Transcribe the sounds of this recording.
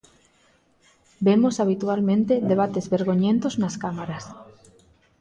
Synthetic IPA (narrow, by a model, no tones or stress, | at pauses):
bemosaβ̞it̪ualmẽnt̪eðeβ̞at̪ezβeɾɣoɲẽnt̪oznaskamaɾas